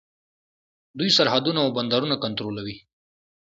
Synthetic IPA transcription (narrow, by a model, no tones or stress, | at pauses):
d̪uisɐɾɦad̪unaːwbɐnd̪aɾunakɐnt̪ɾolawi